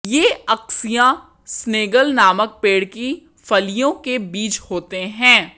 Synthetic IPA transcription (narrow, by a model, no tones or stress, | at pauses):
jeːɐksijã | sneːɡəlnaːmək̚peːɽki | fɐlijõkebiːt͡ʃhoːt̪eɦɛ̃ː